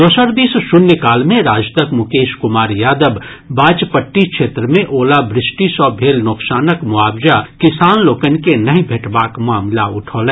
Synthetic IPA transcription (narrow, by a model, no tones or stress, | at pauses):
d̪oːsəɾd̪iːsʃʊnjəkaːlmẽɾaːd͡ʒt̪əkmʊkeːʃkʊmaːɾjaːd̪əbː | aːt͡ʃpəʈːikʃʰeːt̪ɾəmẽʔoːlabɾɪsʈisɔːbʱeːlnoːksaːnəkmʊaːbd͡ʒakɪsaːnloːkənkenɐɦĩbʱeːʈbaːkmaːmlaʊʈʰoːlɛ̃